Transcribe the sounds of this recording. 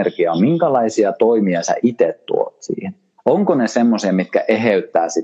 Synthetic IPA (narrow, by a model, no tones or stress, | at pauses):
rkiɑmiŋkɑlɑisiɑt̪oimiɑsæ̰ʔit̪et̪tṵo̰t̪sḭːhen | oŋkonesemːosiɑmit̪̚kæʔeɦeyt̪ːæːsi